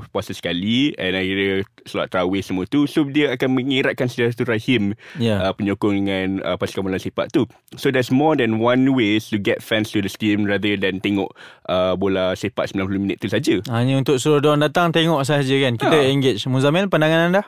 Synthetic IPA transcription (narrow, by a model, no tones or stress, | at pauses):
puasasə̥kaliɛ̃nakiɾəsəlua̰ʔt̪ːɾawesəmũət̪usodiəakanməŋiɾaʔ̪̚kansədəɾat̪uɾahimjaəpəɲokʊŋdəŋãnə̰paskabolasepa̰ʔ̪̚t̪u | sodɛsmɔdɛ̃nwãnwest̪uɡɛt̚fɛ̃nst̪udəst̪imrad̪ədɛ̃nt̪eŋɔ̰ʔʔəbolasepat̪səmblãnplumĩnət̪ːusad͡ʒəhaɲəunt̪ʊk̚suɾʊdɔndat̪aŋt̪eŋɔʔs̬aad͡ʒəkankit̪əɛŋɡet͡ʃmũzamɛ̃npandaŋanãndah